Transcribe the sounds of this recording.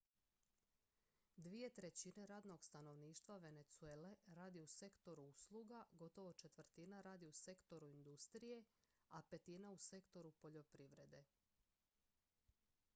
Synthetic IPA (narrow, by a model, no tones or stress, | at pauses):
d̪ʋije̞t̪ɾe̞t͡ɕine̞ɾaːd̪no̞ɡst̪ano̞ʋniːʃt̪ʋaʋe̞ne̞t̪sue̞ːle̞ɾaːd̪iuse̞kt̪o̞ɾuuslˠuɡaɡo̞t̪o̞ʋo̞t͡ʃe̞t̪ʋr̩t̪inaɾaːd̪iuse̞kt̪o̞ɾuind̪ust̪ɾije̞ape̞t̪inause̞kt̪oɾupo̞ʎo̞pɾiʋɾe̞d̪e̞